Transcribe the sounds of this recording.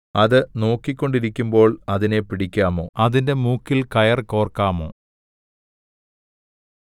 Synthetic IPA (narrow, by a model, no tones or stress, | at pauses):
ɐðɨno̞ːkːikʲːo̞ɳɖiɾikʲːumbo̞ːɭɐðine̞piɽikʲːaːmo̞̰ːɐðinde̞muːkːilkɐjɐrko̞ːrkaːmo̞̰ː